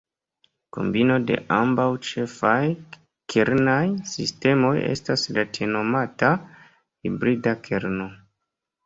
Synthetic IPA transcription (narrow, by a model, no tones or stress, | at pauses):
ko̞̰mbino̞de̞̰ʔambawt͡ʃe̞faj | kʰeɾnajsiste̞mo̞je̞̰staslatʰeno̞mata | hibɾidakʰeɾno̞